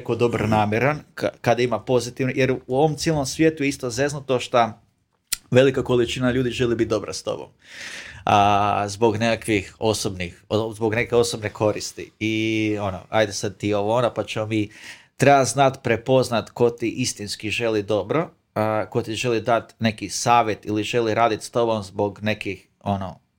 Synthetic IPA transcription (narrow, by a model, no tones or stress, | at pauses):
kod̪obɾonaːmʲjeɾankkad̪aimapo̞zit̪iʋnojeɾuo̞ʋomt̪sjielno̞msʋjet̪ujeist̪ozeznat̪oʃt̪a | ʋe̞likako̞lit͡ʃinaʎuːd̪iʒe̞libit̪̚d̪o̞bɾa̰st̪o̞̰bo̰m | əzbo̞ɡnekakʋixo̞sobnixozbo̞ɡne̞keo̞sobnekʰo̞ɾist̪ḭio̞no̰a̰jd̪esad̪̚t̪ioʋoonapat͡ʃemomi | t̪ɾebaznat̪pɾepo̞znat̪ko̞t̪iʔist̪inskiʒe̞lid̪o̞bɾo̞ | kot̪iʒe̞lid̪at̪ne̞kisaːʋjet̪iliʒe̞liɾaːd̪it̪st̪o̞bo̞mzbo̞ɡne̞kix | o̞no̰